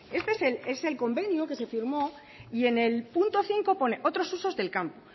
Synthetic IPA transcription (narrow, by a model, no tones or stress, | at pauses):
e̞st̪esele̞se̞lko̞mbe̞njuke̞se̞fiɾmo̞ | ie̞ne̞lpunt̪o̞θiŋko̞po̞neʔo̞t̪ɾo̞suso̞zðe̞lkampo